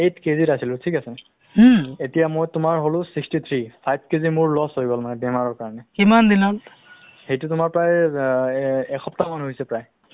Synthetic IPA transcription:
etʰkezitasilʊtʰikasɛ | etijamojtʊmaɹɦolʊ̃sikstit̪ʰɹipʰajb̚ʰkezimʊɹlɔshoiɡɔlmanɛbɛmaɹɔɹkaɹɔnɛkimand̪ilan | xejtutʊmaɹpɹaj | ɛkʰɔptamanɦoɦjsɛpɹaj

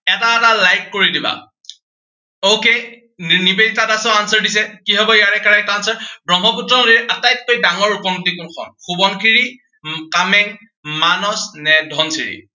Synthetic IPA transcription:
ɛtaɛtalajkːoɹidiba̰ | owke | nibeditatasɛʊansɔɹdisɛkiɦɔbɔjaɹɛkaɹakansɔɹbɹɔŋɦɔputɹɔŋdiɹɛʔatajt̚kojdaŋɔɹukɔŋtikunkʰɔ̰nxubɔnkʰiɹi | kamɛŋ | manɔsnɛdʱɔnsiɹḭ

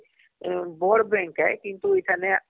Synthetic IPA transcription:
bɔːɽbɛ̃ːŋkɦɛ̰ːkɪ̃nt̪uɪt̪ʰane

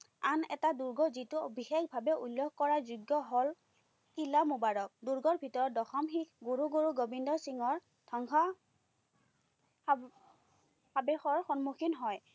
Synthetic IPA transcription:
anɛ̰taduɹɡɔzituobʱixekbʱabɛulːokkɔɹazuɡjɔɦɔl | kilamubaɹɔk̚duɹɡɔɹbʱitɔɹɔt̚dɔxɔmxikɡoɹuɡoɹuɡobindɔsiŋɔɹ | dʰɔŋxɔ | abɛxɔɹxɔnmuxinɦɔj

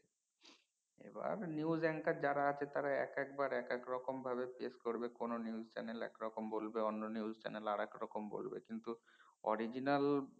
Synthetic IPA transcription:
ḛba̰ɾniud͡ʑɛŋkad͡ʑaɾaat͡ɕʰet̪aɾaɛkɛkbaɾɛkekɾɔkombʱaβepeskoɾbekononiud͡ʑt͡ɕɛ̰nelɛ̰kɾɔkombolbeonːoniuzt͡ɕɛ̰nelaɽɛkɾɔkombo̰lbḛkint̪uɔ̰ɾid͡ʑinal

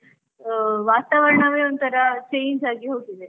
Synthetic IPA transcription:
ʋat̪aʋəɾɳəʋeunt̪əɾat͡ɕejɲd͡ʒaɡiɦokile

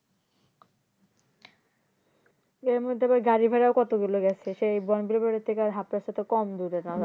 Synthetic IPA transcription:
eɾmod̪ʱepaɡaɾibʱaɾaokɔt̪oɡuloɡɛt͡ɕʰeʃejbɔnbiɾibɔɾet̪ʰːekaɾɦapːaɾʃat̪okɔmd̪uɾenɔ

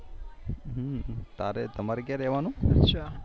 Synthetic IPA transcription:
ɦət̪aɾɛt̪əmaɾɛkjãɾɛʋanũɐʃʰa

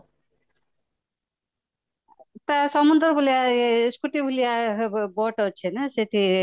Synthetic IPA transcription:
t̪asɔmund̪ɾbʱulijaskuʈibʱulijaboʈɔt͡ʃʰenaset̪ʰi

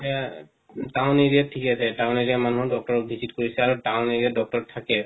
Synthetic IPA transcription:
tawneɹijatʰːikasɛtaʊ̃neɹiamanuɦɔdɔk̚tɔɹɔk̚bʱizitkoɹisɛaɹutaʊ̃neɹiadɔk̚tɔɹɔtʰːakɛ

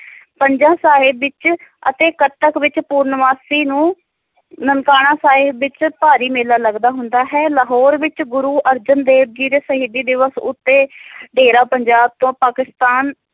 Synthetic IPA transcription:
pəɲd͡ʒãːsaːɦɪbːɪt͡ʃə̰t̪eːkət̪əkʋɪt͡ʃpuːɾnəʋaːsiːnũː | nənkaːɽãːsaːɦɪbːɪt͡ʃpaːɾiːmeːlaːləɡd̪aːɦʊnd̪aːɦɛːləɦɔːɾʋɪt͡ʃɡʊɾuːʔəɾd͡ʒənd̪eːb̚d͡ʒiːɾeːsəɦɪd̪iːd̪ɪʋəsʊ̰t̪ːeːɖeːɾaːpəɲd͡ʒaːb̚t̪õːpaːkɪst̪aːn

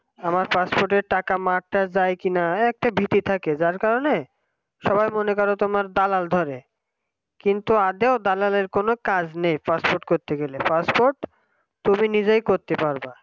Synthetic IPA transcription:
amaɾpaspoɾʈeɾʈakamaʈ̚ːad͡ʑajkinaɛk̚ʈabʱit̪it̪ʰaked͡ʑaɾkaɾone | ʃɔbajmonekɔɾot̪omaɾd̪alald̪ʱɔɾe | kint̪uad̪eod̪alaleɾkonokad͡ʑnejpaspoɾʈ̚koɾt̪eɡelepaspoɾʈ | t̪ominid͡ʑejkoɾt̪epaɾba

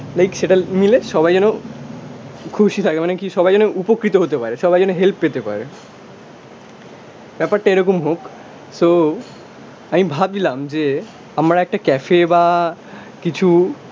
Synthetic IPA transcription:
lajkʃeʈamileʃɔbajd͡ʑɛno | kʰuʃit̪ʰakemanekiʃɔbajd͡ʑɛnoupokɾit̪oɦot̪epaɾeʃɔbajd͡ʑɛnoɦelppet̪epa̰ɾḛ | bɛpaɾʈaeɾɔk̬omɦok | so | amibʱab̪ilamd͡ʑe | amɾaɛk̚ʈakɛfeba | kit͡ɕʰu

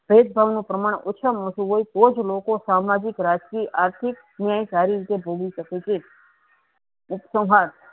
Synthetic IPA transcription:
b̥ʱed̪̚bʱaʋnũpɾəmaɽ̃ʔʊːt͡ʃʰəmɦoʃũɦoit̪od͡ʒlokosamad͡ʒɪkɾad͡ʒkiʔaɾt̪ʰik | njajt͡ʃaɾiɾit̪ebʱoɡiʃəket͡ʃʰe | ʊpsə̃wɦaɾ

